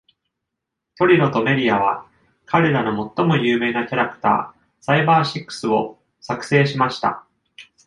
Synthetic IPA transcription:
t̪o̞ɾʲiɾo̞t̪o̞me̞ɾʲiaβ̞a | kʰaɾe̞ɾano̞mo̞t̪ːo̞mo̞jɯːme̞ːnakʲaɾakɯ̟̥t̪a̰ː | saibaːɕikːɯ̥sɨo̞ | sakɯ̟̥se̞ːɕimaɕi̥t̪a̰

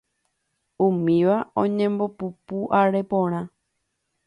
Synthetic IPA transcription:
ũmĩʋaõɲẽ̞mbo̞pupuʔaɾepõɾ̃ã

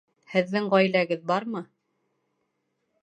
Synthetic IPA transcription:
hɘ̆ðːɘŋʁɑjlæɡɘðbɑɾmɤ

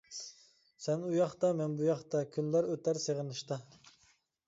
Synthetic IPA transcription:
sɛnujɑχt̪ɑmɛnbujɑχt̪ɑkʲʰynlæɾøt̪ʰæɾseʁənɨʃt̪ɑ

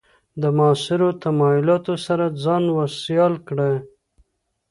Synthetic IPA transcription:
d̪əmɑsɪɾot̪amɑjʊlɑt̪osaɾad͡zɑnwasjɑlkɽe

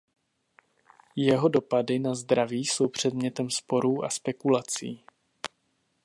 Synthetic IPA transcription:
jɛɦo̞do̞padɪnazd̪ɾaviːso̞wpr̝̥ɛdmɲɛt̪ɛmspo̞ɾuːʔa̰spɛkulat͡siː

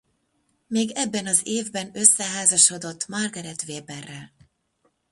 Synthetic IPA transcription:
meːɡɛbːɛnɒzeːvbɛnø̞sːɛɦaːzɒʃo̞d̪o̞t̪ːmɒrɡɒɾɛt̪veːbɛrːɛl

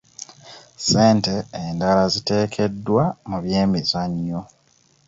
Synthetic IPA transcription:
se̞ːnte̞ːndalazite̞ːkʰe̞dːwamuβje̞ːmizaɲːo

